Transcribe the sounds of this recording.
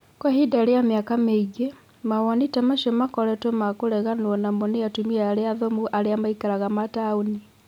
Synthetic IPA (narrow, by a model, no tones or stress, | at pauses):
kwahidaɾejamjakameiɡe | mawanitamaʃɔmakɔɾɛtomakoɾɛɣanwɔnamɔnejatumiaːɾeaðɔmuʔaɾeamaikaɾaɣamataoni